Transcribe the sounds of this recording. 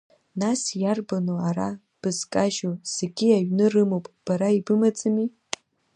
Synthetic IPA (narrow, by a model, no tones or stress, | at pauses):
nasjarbanoaɾa | b̥ɨzkʼaʒoz̥eɡʲiaɥnɨrɨmowpʼb̥aɾaibɨmad͡zʼami